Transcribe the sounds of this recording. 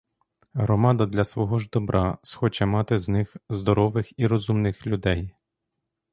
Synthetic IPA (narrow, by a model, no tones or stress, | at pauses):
ɦɾɔmɑd̪ɐd̪lʲɐsʋɔɦɔʒd̪ɔbɾʔɑsxɔt͡ʃɛmɑt̪ɪznɪxzd̪ɔɾɔʋɪxiɾɔzumnɪxlʲud̪ɛj